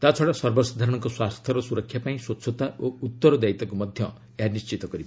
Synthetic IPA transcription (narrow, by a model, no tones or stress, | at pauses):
t̪at͡sʰɔɽasɔɾbɔsɔd̪ʱaɾɔɽ̃ɔŋkɔswast̪ʰjɔɾɔsuɾɔkʰːjapaĩswotːsʰɔt̪aʔout̪ːɔɾɔd̪ait̪ɔkomɔd̪ʱjʌ | janist͡ʃit̪ɔkɔɾi